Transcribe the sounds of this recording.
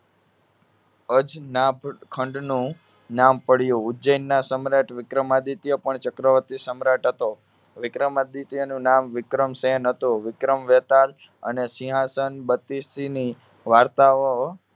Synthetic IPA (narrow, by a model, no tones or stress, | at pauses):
əd͡ʒnabkʰəɳɖnũ | nampəɽjũʊd͡ʒəjnːasəmɾaʈʋɪkɾəmad̪it̪jəpəɳt͡ʃəkɾəʋət̪isəmɾaʈɦət̪o | ʋɪkɾəmad̪it̪jənũnamʋɪkɾəmsenɦət̪oʋɪkɾəmʋet̪al | ə̰nesiɦasənbət̪isini | ʋaɾt̪aʋo